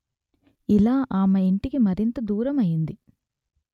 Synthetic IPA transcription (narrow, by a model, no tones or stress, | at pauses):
ilaːʔaːmɐiɳʈikimɐɾint̪ɐd̪uːɾɐmɐjind̪i